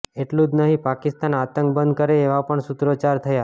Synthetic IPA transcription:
eʈlũd͡ʒnəɦĩpakɪst̪anat̪əŋkbənd̪kəɾeːʋapəɳsut̪ɾot͡ʃaɾt̪ʰəja

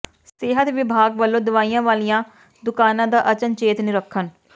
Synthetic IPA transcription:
seːɦət̪ʋɪbʱaːɡʋəlːõːd̪ʊʋaːijãːʋaːlijãː | d̪ʊkaːnãːd̪aːʔət͡ʃənt͡ʃeːt̪nɪɾəkʰːən

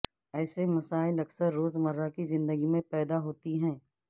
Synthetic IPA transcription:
ɛːsemɐsaːɪlɐksəɾːoːzmɐɾːakizɪ̃nd̪əɡimẽpɛːd̪aɦoːt̪iɦɛ̃ː

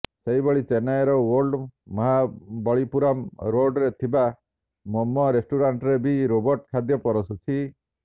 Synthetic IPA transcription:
seɦibɔɭit͡ʃenaeɾɔwɔɾɖmɔɦabɔɭipuɾɔmɾoɾɖɾet̪ʰiba | mɔmːɔɾesʈuɾaɳʈɾebiɾobɔɾʈkʰad̪jɔpɔɾɔsut͡ʃʰi

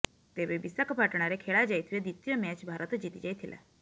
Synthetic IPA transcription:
t̪eʋebisəkpaʈɽ̃aɾekʰeɭad͡ʒajt̪ʰied̪it̪ijɔmɛt͡ʃbʱaɾət̪d͡ʒit̪id͡ʒajt̪ʰilʔa̰

